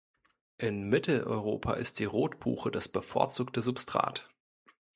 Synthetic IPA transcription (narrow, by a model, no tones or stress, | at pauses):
ʔɪnmɪtl̩ʔɔ̰ʏʁ̞oːpʰa̰ʔɪ̰std̥iːʁoːtb̥ṵːxədasb̥əfɔ̰ɐt͡suːktəzʊpstʁ̥a̰ːt